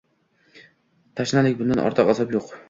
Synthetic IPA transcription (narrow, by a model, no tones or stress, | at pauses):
t̪ʰaʃnalɪkʲbʊnd̪anʔɒ̰ɾt̪ʰɨqazɒpjoq